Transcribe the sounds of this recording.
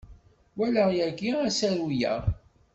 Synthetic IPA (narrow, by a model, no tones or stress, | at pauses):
wæləʁjæɡiæsæɾujæ̰ʁ